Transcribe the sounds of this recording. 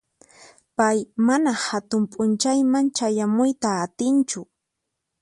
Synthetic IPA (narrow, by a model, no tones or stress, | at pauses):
pajmanahat̪ʊmpʼʊnt͡ʃajmant͡ʃajamʊjt̪aːt̪ɪnt͡ʃʊ